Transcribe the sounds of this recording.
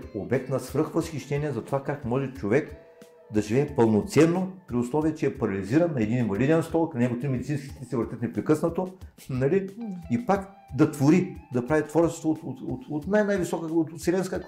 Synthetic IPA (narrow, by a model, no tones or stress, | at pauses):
obɛk̚t̪nɐsvɾɤxvəsxʲiʃt̪ɛniɛzɐt̪ovakakmɔʒɛt͡ʃovɛk | d̪ɐʒivɛːpəlˠnot̪sɛnːopɾiʊslˠɔviət͡ʃɛɛpɐɾɐlʲiziɾɐnːɐɛd̪ininvɐlid̪ɛnst̪ɔlknɐnɛɡot̪ɾimɛd̪it̪sinskʲi̥t̪ʲisɛvəɾt̪ət̪nɛpɾɛkɤsnɐt̪o | nɐliipak | d̪ɐt̪voɾid̪ɐpɾavit̪vɔɾt͡ʃɛst̪vot̪ot̪ot̪ot̪najnajvisɔkəot̪t̪sɛlɛnskə